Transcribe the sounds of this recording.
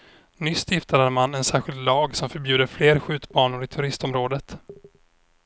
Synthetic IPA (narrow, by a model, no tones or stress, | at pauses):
nʏsːjɪft̪ad̪əɾmanɛnsæːɾɧɪlt̪lɑːɡsɔmfœɾbjʉːd̪əɾfleːɾɧʉ̟ːt̪bɑːɳʊɾɪt̪ʰɵɾɪst̪ɔmɾoːd̪ət̪